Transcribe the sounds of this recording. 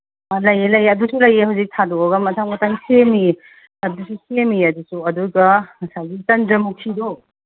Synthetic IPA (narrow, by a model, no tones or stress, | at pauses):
lɐjelɐjɐdusulɐjehawzik̚tʰadɔɐɡɐmɐtʰaŋmɐtʰaŋsemi | ɐdususemiɐdusuɐduɡɐsaɡit͡ʃɐndɐmutʰidɔ